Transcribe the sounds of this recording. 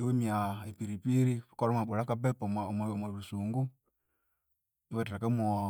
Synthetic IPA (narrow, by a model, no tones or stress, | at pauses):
iwemiaepiɾipiɾikɔɾɔmaɓuɾakabɛpɔmamamaɾusuŋɡu | iwataɾakamɔ